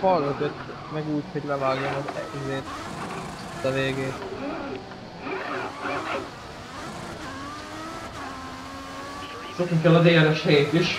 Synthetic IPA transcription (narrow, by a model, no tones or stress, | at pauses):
fɒlːøt̪øt̪ː | mɛɡuːcho̞ɟlɛvaːɡjomɒzizeːt̪ | t̪ːɒveːɡeːt̪ | sok̪nikɛlɒd̪eːɛɾɛʃheeːt̪iʃ